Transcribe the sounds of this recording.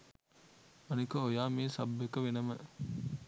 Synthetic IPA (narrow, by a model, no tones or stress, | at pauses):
ɐnikɐojaːmiːsɐbːekɐʋenɐmə